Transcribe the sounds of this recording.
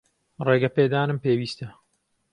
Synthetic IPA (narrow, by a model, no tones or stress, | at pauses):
reːɡɐpeːd̪aːnɨmpeːwiːst̪ɐ